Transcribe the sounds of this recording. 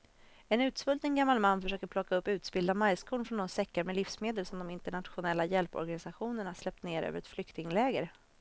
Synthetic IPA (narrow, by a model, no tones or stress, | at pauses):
ɛnʉ̟ːt̪svɵlt̪nənɡamːalmanːfœʂøːkəɾpʰlɔkːaɵpːʉ̟ːt̪sbɪld̪amajskʰʊːɳfɾɔnɔnsɛkːaɾmɛlɪfsmeːd̪əlsɔmd̪ɔmɪnt̪əɳat̪ɧʊnɛlːajɛlpɔ̰ɾɡanɪsaɧuːnəɳaaʂlɛp̚t̪neːɾʔø̰ːvəɾɛt̪flʏkt̪ɪŋlɛːɡəɾ